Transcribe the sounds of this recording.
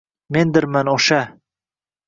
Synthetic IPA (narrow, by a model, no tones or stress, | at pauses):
mend̪ɪɾmanoʃa